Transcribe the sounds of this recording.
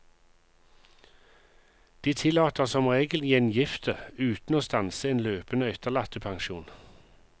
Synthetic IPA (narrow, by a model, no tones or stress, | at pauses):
d̪̥iːt̪ʰɪlɑːt̪əʁsɔmʁeːɡəljɛnjɪft̪ʰəʉːt̪n̩oːst̪ɑnsəeːnløːpənəœt̪əʁlɑt̪əpʰɑŋʃuːn